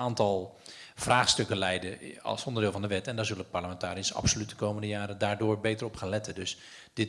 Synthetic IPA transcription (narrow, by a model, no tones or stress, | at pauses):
aːntɔlˠv̥raːxstøkəlɛjdəɑ̰lˠsɔndərdɪːlˠvɑndəʋɛtɛndazøləpaɹləmɛntaːɾiəsɑ̰psolytdəkowməndəjaːɾədaːɹdoːɹbejtərɔpχaːnlɛtʰədøs | d̥ɪ